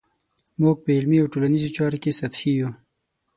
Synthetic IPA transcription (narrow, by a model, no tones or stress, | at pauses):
muɡ̚pəɪlmiawʈolanizot͡ʃɑɾokesat̪hiju